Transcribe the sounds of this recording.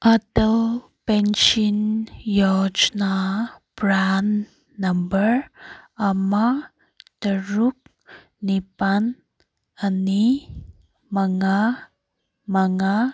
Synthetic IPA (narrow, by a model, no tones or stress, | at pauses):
ʔatəl | pent͡ʃinjɔd͡ʒnab̥ɾanː | ambəɾama | təɾuk̚ː | ipan | ani | maŋa | maŋa